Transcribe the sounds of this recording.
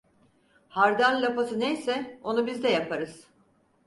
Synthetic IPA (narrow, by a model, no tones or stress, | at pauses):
haɾd̪anlʲapasɯnejsɛo̞nubizd̪ɛjapʰaɾɯz̥